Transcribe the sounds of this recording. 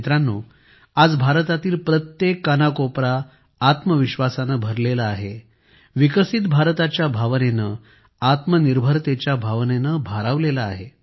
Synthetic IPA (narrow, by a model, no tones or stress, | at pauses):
t̪ɾanːuː | ad͡zbʱaɾt̪at̪iːlpɾət̪jekːənakopɾaː | t̪məʋiɕʋasanəbʱəɾlelaːɦe | ʋikəsit̪bʱaɾt̪at͡ɕjabʱaʋnenə | at̪məniɾbʱəɾt̪et͡ɕjabʱaʋnenəbʱaɾaʋlelaːɦe